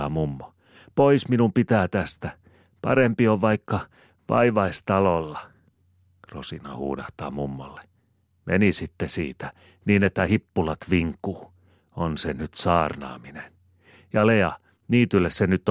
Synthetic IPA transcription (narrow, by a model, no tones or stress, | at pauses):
ɑːmumːo | poisminumpit̪æːt̪æst̪æ | pɑ̰rempioʋʋɑikːɑ | ʋɑ̰iʋɑist̪ɑlolːɑ | rosinɑ̰hṵːdɑht̪ɑ̰ːmumːo̰lːe̥ | mʔḛnisit̪ːesḭːt̪æ̥ | niːnet̪ːæhipːulɑt̪ʋiŋkːuː | onsenyt̪sɑːrnɑ̰ːminen | jɑleɑ | niːt̪ylːessenyt̪ː